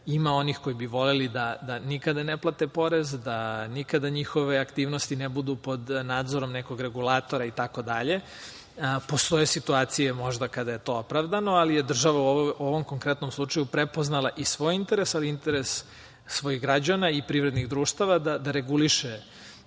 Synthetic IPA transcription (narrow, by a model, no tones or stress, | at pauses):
imao̞nixko̞ibiʋo̞lelid̪ad̪anikad̪aneplat̪e̞po̞ɾe̞zd̪anikad̪aɲixo̞ʋeakt̪iːʋnost̪inebud̪upo̞d̪naːd̪zo̞ɾo̞mneko̞ɡɾe̞ɡulaːt̪o̞ɾait̪ako̞d̪aʎe̞ | po̞st̪o̞je̞sit̪uaːt̪sijemo̞ʒd̪akad̪ajet̪o̞opɾaʋd̪ano̞alije̞d̪r̩ʒaʋauoʋo̞mko̞ŋkɾet̪no̞mslˠut͡ʂajupɾepo̞znalaʔisʋo̞ːjint̪eɾe̞saliint̪eɾesː | ʋo̞iɣɡɾad͡ʑanaipɾiʋɾed̪niɣd̪ɾuːʃt̪aʋad̪ad̪aɾe̞ɡuliʃe